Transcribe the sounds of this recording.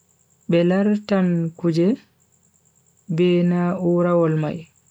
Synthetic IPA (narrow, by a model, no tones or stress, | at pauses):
bɛlaɾtankud͡ʒɛ | bɛːnaːʔuːɾawɔlma̰j